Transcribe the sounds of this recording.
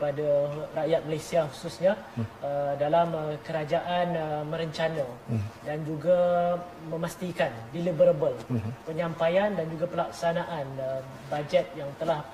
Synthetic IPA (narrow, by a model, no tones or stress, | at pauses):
padarajat̪̚məlasiahususɲaədalaməkəɾad͡ʒaʔanmə̃ɾəɲt͡ʃanãdand͡ʒuɡa | mə̃mast̪ikandilibəɾabəlpəɲãmpajandand͡ʒuɡapəlak̚sanaʔanə | bad͡ʒɛt̪̚jaŋt̪əlah